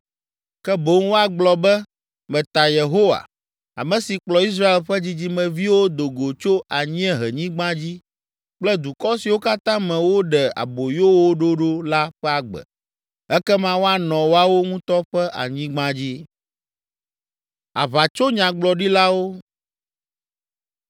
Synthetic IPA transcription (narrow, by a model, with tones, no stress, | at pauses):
kɛ˦bo˦ŋ˦wo˦a˦ɡ͡blɔ˨bɛ˦ | mɛ̃˨t̪a˨je˨ɦo˦wa̰˨ | a̰˨mɛ̃˨si˨k͡plɔ˨i˦s̬ɾa˦e˨lɸɛ˦d͡ʑi˦d͡ʑi˦mɛ̃˨vi˦wo˦d̪o˨ɡo˨t͡ʃo˦ʔa˨ɲĩ˦ɛ̃˦ɦɛ˨ɲĩ˦ɡ͡bã˦d͡ʑi˦ | k͡plɛ˦d̪u˨kɔ˦si˨wo˦ka˦t̪ã˦mɛ̃˨wo˦ɖɛ˨a̰˨bo˨jo˦wo˦ɖo˦ɖo˦la˦ɸɛ˦a˦ɡ͡bɛ̰˨ | ɛ˦kɛ˦mã˦wo˦a˦nɔ̃˨wo˦a˦wo˦ŋũ˦t̪ɔ˦ɸɛ˦ʔa̰˨ɲĩ˦ɡ͡bã˦d͡ʑi˦ | a̰˨va˨t͡ʃo˦ɲã˨ɡ͡blɔ˨ɖi˦la˦wo˦